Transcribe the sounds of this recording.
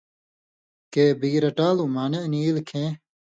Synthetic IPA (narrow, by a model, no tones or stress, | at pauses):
keːbiːɾɐʈaːlumaːneniːlkʰẽ